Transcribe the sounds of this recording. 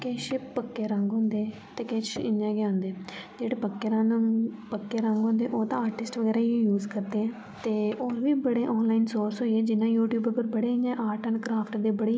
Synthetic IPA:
keːʃɪpəkːeːɾə̃ŋɡɦʊ̃nd̪eː | t̪eːkeːʃɪɲjãːɡjaːʊnd̪eːd͡ʒeːɽeːpəkːeːɾə̃pəkːeːɾə̃ŋɡɦʊ̃nd̪eːʔoːt̪ãːaːɾʈɪsʈʋəɡɛːɾaːĩjuːzkəɾd̪eːɛ̃ː | t̪eːoːɾʋiːbəɽeːʔɔːnlaːɪnsoːɾsɦoːiɛːd͡ʒɪnːãːjuːʈjuːbəpəɾbəɽeːɪɲãːʔaːʈənkɾaːpʰʈd̪eːbəɽeː

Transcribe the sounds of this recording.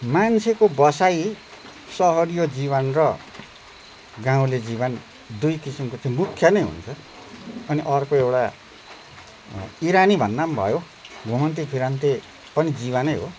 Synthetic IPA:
mant͡sʰekobʌsaj | sʌɦʌɾijod͡zibʌnrʌ | ɡãũled͡ziβʌn | d̪ujkisimkot͡sʰʌĩmukʰːjʌnʌjɦṵnt͡sʰʌ | ʌniʔʌrkoewɽa | iɾanibʱʌnːambʱʌ̰jo | ɡʱomʌnt̪̬ipʰiɾant̪e | pʌnid͡ziβʌnʌjɦo̰

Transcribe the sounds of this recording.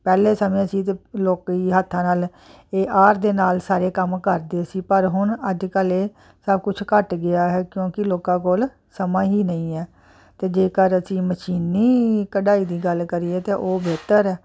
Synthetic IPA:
pɛːleːsəmẽːsiːt̪eːloːkiːɦət̪ʰːãːnaːl | eːʔaːɾd̪eːnaːlsaːɾeːkəmkəɾd̪eːsiːpəɾɦʊnəd͡ʒkəleː | səb̚kʊt͡ʃʰkəʈɡɪaːɦɛːkjõːkɪloːkãːkoːl | səmãːɦiːnəĩːɛː | t̪eːd͡ʒeːkəɾəsĩːməʃiːnːiːkəɖaːiːd̪iːɡəlkəɾiːeːt̪eːʔoːbeːt̪əɾɛː

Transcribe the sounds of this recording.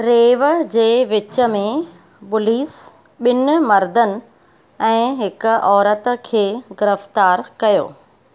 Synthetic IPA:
ɾeːʋəd͡ʑeːʋɪt͡ɕə̆mẽ | ɓʊliːs | ɓɪnʊ̆mɐɾd̪ʱənɪ̆ | ɛ̃ːɦɪkʊ̆ɔːɾət̪kʰeːɡɪɾəft̪aːɾkɐjo̰ː

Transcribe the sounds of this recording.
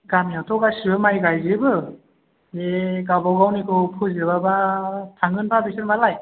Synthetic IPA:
ɡamiawtʰɔɡasiɯmajɡajzɯbɯ | eɡabawɡawnikʰɯwpʰɯzɯbabatʰaŋɡɯnpʰabisɯnmalaj

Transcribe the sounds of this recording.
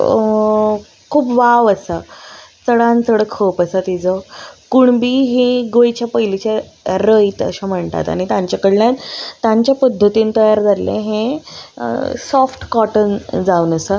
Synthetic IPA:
kʰuːpʋaʋəsat͡səɽãnt͡səɽəkʰːəpəsət̪id͡zɔkuɳbiːɦiɡojt͡ɕjapəilit͡ɕeɾəit̪ə̰ɕam̤əɳt̪a̰t̪a̰ɽ̃it̪jãɲt͡ɕjakəɽljat̪ːãɲt͡ɕjapəd̪ʱːət̪iːnt̪əjaɾd͡zalḛ̃ɦẽ | sɔfʈkɔʈənd͡zaunəsə

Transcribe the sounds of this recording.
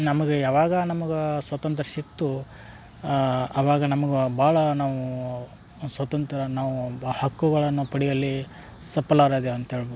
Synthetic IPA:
nɐmɐɡeaːʋaːɡɐnɐmɐɡesʋɐt̪ɐnt̪ɾɐsit̪ːu | ɐʋaːɡɐnɐmɐɡebaːɭɐnaːʋu | sʋɐt̪ɐnt̪ɐɾɐnaːʋuhɐkːuɡɐɭɐnːupɐɽijɐlːi | sɐpːɐlaːɾed̪eɐnt̪ɐeːɭboːd̪u

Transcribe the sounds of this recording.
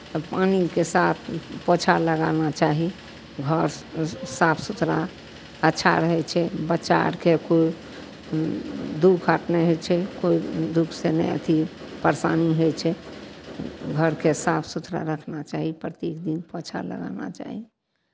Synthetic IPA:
panikesat̪ʰpot͡ʃʰaləɡanat͡ʃaɦi | ɡʱəɾsapʰsut̪ɾa | ətːʃʰa̰ɾəɦɛt͡ʃʰɛbətːʃa̰ɾkekoi | d̪ukʰəʈnɛɦojt͡ʃʰɛkoid̪ukʰsenɛ̰ə̰t̪ʰipəɾsaniɦojt͡ʃʰɛ | ɡʱəɾkesapʰsut̪ɾa̰ɾəkʰnat͡ʃaɦipɾət̪jekd̪inpət͡ʃʰa̰lə̰ɡa̰na̰t͡ʃa̰ɦi

